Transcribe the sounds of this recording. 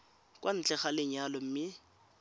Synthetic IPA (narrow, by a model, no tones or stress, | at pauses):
kʼwan̩t͡ɬʼɛχalɪɲalɔm̩mɪ